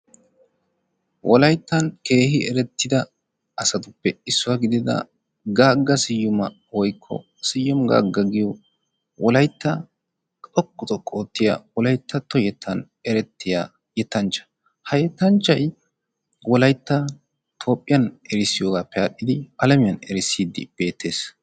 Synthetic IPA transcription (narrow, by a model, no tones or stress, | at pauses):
wʔɔlɐjt̪ːɐnke̞ːhɪɛɾɛt̪ːɪd̪ɐ | ɐsɐt̪ʊpːɛɪsːʊwaɡɪd̪ɪd̪ɐ̰ | ɡaːɡːɐsɪjːʊmɐ | wɔjkʰːɔ̰ | sɪjːɔmɡa̰ːɡːɐɡɪjɔ | wɔlɐjt̪ːɐ | t̪ʼɔkːʊt̪ʼɔkʼːoːt̪ːɪja̰wɔlɐjt̪ːɐt̪ɔjɛt̪ʰːɐn | ɛɾɛt̪ːɪja̰ː | jɛt̪ːɐnt͡ʃːɐ̥ | hɐjɛt̪ːɐnt͡ʃːɐj | wɔlɐjt̪ːɐ | t̪ʰo̞ːpʼːɪjɐnɛɾɪsɪjo̞ːɡaːpːɛɐɗːɪd̪ɪʔɐlɐmɪjɐnɛɾɪsːiːd̪ɪ̰b̥e̞ːt̪ʰːe̞ːs